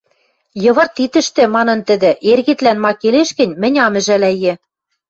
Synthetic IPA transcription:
jɤ̆βɤ̆rt̪it̪ɘ̆ʃt̪ɘ̆mɑnɤ̆nt̪ɘ̆d̪ɘ̆ʔerɣɘ̆t̪lænmɑkeleʃkɘ̆nʲmɘ̆nʲɑmɘ̆ʒælæjĕ

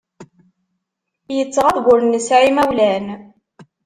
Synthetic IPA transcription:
jət͡sːəʁæðɡʷʊɾənːəsʕimæwlæn

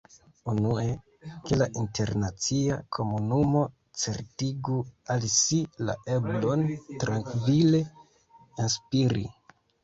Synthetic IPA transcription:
unue̞ | kelaʔinte̞ɾnat͡siakʰo̞munumo̞ | t͡se̞ɾtiɡualsila̰ʔe̞blo̞ntɾaŋkvile̞ | inspiɾḭ

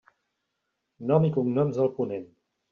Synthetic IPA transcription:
nɔmikuŋnɔmzðəlˠpunen

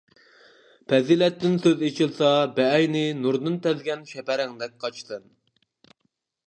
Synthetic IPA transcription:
pʰɛziːlɛt̪ːɪnsøzet͡ʃʰilˠsɑbɛːjnɪnuɾd̪ɨnt̪ʰɛzɡʲɛnʃɛpæɾɪŋd̪ɛk̚ʲqʰɑt͡ʃsɨn

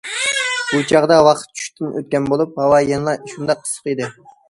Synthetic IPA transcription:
b̥ut͡ʃʰɑʁd̪ɑwɑqʰt̪̚t͡ʃʰy̥ʃt̪ʰɪnʔø̰t̪̚kʲɛnbolˠup̚hɑwɑjenlˠɑʃund̪ɑq̚ʰːə̥sə̥qid̪ɪ

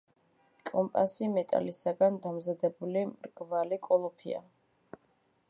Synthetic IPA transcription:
kʼɔmpʼasimɛt̪ʼa̰lisaɡand̪amzad̪ɛbulimɾɡ̥valikʼɔlˠɔpʰḭa̰

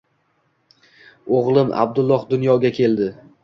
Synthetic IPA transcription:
oʁlˠɪma̰b̚d̪ʊlˠːɒhd̪ʊnjɒɡʲakʲʰe̞ld̪ɪ

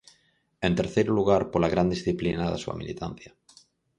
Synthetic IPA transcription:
e̞nt̪eɾθejɾuluɣ̞aɾpolaɣɾand̪isθiplinaðasua̰mḭlit̪an̟θja

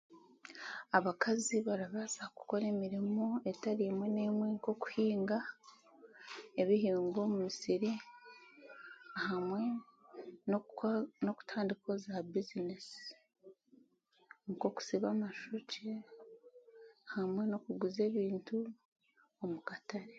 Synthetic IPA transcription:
aβakaziβaɾaβaːzaku̥ko̞ɾe̞ːmiɾimoe̞taɾiemwe̞ne̞ːmwe̞ŋko̞ku̥hiːŋɡa | e̞βiɦiːŋɡo̞muisiɾi | ahamwe | nono̞ku̥tʰaːndiko̞zabizinesi̥ | ŋko̞ku̥siβamaʃoce | hamwe̞no̞kuɡuze̞ːβiːntu | omukataɾe

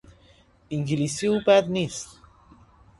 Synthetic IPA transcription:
iŋɡilisiupat̪nis

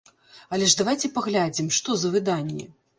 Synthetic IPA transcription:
ɐlʲɛʐd̪avajt͡sʲɛpaɣlʲad͡zʲimʂt̪ɔzɐvɨd̪anʲːḭ

